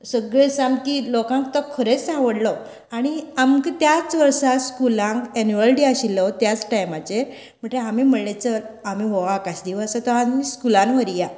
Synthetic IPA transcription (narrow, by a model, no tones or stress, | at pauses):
səɡɭesamkilokãŋk̚t̪ɔkʰəɾet͡ssãʋəɽlɔ | aɽ̃iamkt̪jat͡sʋəɾsaskulãŋkenjuʋəlʈiaɕilːɔt̪jat͡sʈajmat͡ɕe | m̤əʈeamim̤əɽlet͡səlamiʋɔʋakaɕd̪iʋəsət̪ɔɦamiskulanʋəɾija